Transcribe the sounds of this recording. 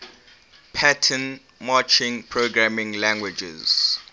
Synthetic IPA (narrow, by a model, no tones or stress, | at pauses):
pʰatʰə̃n | mat͡ʃɪ̃ŋpʰɹoɡɹamɪ̃ŋlãŋɡwɪd͡ʒɛ̰z